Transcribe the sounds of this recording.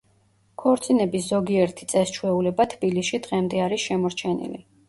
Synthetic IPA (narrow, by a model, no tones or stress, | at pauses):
kʰɔɾt̪sʼinɛbiszɔɡiɛɾt̪ʰi̥t̪sʼɛst͡ʃʰwɛulɛbat̪ʰbilisʃid̪ʁɛmd̪ɛaɾisʃɛmɔɾt͡ʃʰɛnḭlḭ